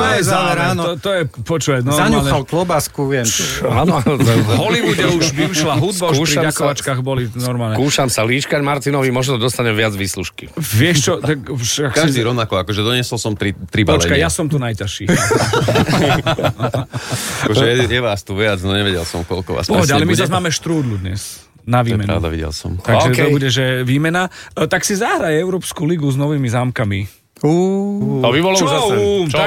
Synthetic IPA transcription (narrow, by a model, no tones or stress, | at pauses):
t̪ɔjɛzaɛɾaanɔt̪ɔjɛpɔt͡ʃuːʋatnɔɾzaɲuːlxɛalklɔbaskuʋɪɛmanɔɦɔlibuɟɛuʒbiiʃlaɦud̪̚baukʃuːʃɾiaakɔʋat͡ʃkaɣbɔlinɔɾmaːlnɛkuːʃamsaliːʃkaɟmaɾt̪inɔʋimɔʒnɔɔd̪ɔst̪aɲɛʋɪad͡zʋiːsluʃkiʋɪɛʃt͡ʃɔt̪akʃkkaʒd̪iːɾɔʊnakɔakɔʒɛd̪ɔɲɪɛsɔlsɔmt̪ɾit̪ɾibaɔlɛt͡ʃkajasɔmt̪unajcaʃi | akɔʒɛjɛjɛʋaːst̪uʋɪad͡znɔɲɛʋɛɟɛlsɔmkɔlkɔ̰ʋa̰ːspɔɦɔɟɛalɛmizazmaːmɛʃt̪ɾuːd̪lud̪ɲɛs | naʋiːmɛnɾa̰ʊd̪a̰ʋḭɟɛ̰lsɔ̰mt̪aɡʒɛɔbuɟɛʒɛʋiːmɛnat̪aksizaɦɾajɛʊɾɔːpskuliɡuznɔʋiːmizaːmkami | uɔʋiʋɔlaat͡ʃ